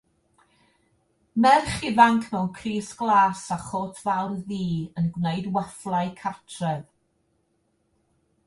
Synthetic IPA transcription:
mɛrχɪvaŋkʰmɛwnkʰriːsɡ̥lˠaːsaχoːtʰvawrðiːənɡwnejdwɛflˠajkʰatʰrɛv

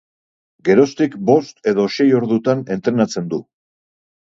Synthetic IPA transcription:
ɡe̞ɾo̞st̪ikbo̞st̪e̞ðo̞ʃe̞jo̞ɾðut̪ane̞nt̪ɾe̞nat͡se̞nd̪u

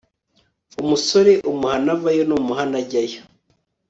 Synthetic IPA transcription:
umusoɾe̞ʔumuhanavajonumuɦanaɟajo

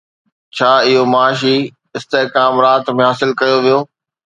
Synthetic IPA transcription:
t͡ɕʰaːɪɦomaːʃi | ɪst̪eːkaːmɾaːt̪mẽɦaːsɪlkɐjoʋijoː

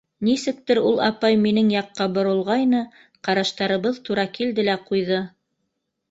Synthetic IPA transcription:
nisɘ̆k̚t̪ɘɾulˠɑpɑjminɘŋjɑqːɑbŏɾɤ̆lˠʁɑjnɤ | qɑɾɑʃt̪ɑɾɤ̆βɤðt̪uɾɑkild̪ɘlæqujðɤ

